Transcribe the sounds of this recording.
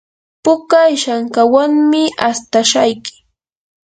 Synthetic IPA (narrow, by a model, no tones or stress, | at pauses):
pʊkajʃaŋkawaŋmɪast̪aʃajkɪ̥